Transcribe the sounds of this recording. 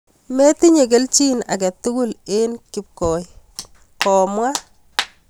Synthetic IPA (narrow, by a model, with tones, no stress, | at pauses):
me˦tɪ˦ɲe˨ɡ̬e˦lt͡ʃi˦na̰˨ɡa˨tʊ˦ɡʊ˦le˦nkɪ˨p̚kɔː˨j | kɔː˨mwa˦